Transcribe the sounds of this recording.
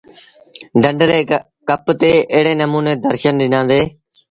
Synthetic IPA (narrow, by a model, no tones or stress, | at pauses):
ɖəɳɖɾeː | kəpt̪eːeːɽeːnəmuːneːd̪əɾʃənɗɪnãːd̪eː